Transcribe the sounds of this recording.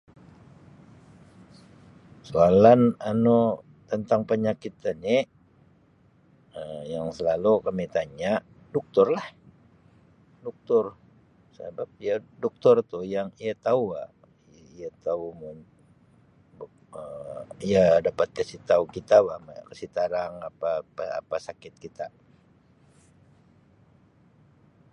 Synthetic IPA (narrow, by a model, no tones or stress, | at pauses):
soalanano | t̪ənt̪aŋpəɲakit̪anɪ | əjaŋsəlalukamit̪aɲaʔ | dɔk̚t̪ʊrlah | dɔk̚t̪ʊr | sə̰bap̚ijadɔk̚t̪ʊrt̪ʊjaŋiat̪aua̰ʔ | ijat̪aumʊn | b | əiadapat̪̚kəsit̪aukit̪awahmakəsit̪aɾaŋapaaa̰pasakɪt̪̚kit̪a